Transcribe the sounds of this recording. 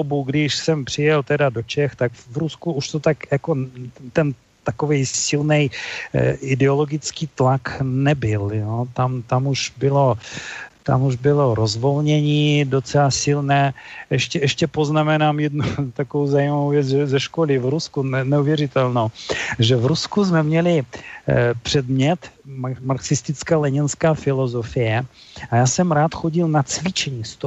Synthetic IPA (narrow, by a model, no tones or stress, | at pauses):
obuɡdɪʃsɛmpr̝̥ɪjɛlt̪ɛdadot͡ʃɛxt̪akvɾuskuʔuʃt̪ot̪akjako̞t̪ɛn | t̪akovɛjsɪlnɛj | ɪdɛolo̞ɡɪt͡skiːt̪laknɛbɪljot̪amt̪amuʒbɪlo̞ | t̪a̰muʒbɪlo̞ɾozvo̞lɲɛɲiːdot͡sɛlasɪlnɛːʔɛʃcɛɛʃcɛpoznamɛnaːmjɛd̪nut̪akovowzajimavowvjɛt͡sʒɛzɛʃkolɪvɾuskunɛuvjɛrɪt̪ɛlnoʒɛvɾuskuzmɛmɲɛlɪ | pr̝̥ɛd̪mɲɛt̪mamaɾksɪst̪ɪt͡skaːlɛɲɛnskaːfɪlozofɪjɛajaːsɛmɾaːt̪xoɟɪlnat͡svɪt͡ʃɛɲiːst̪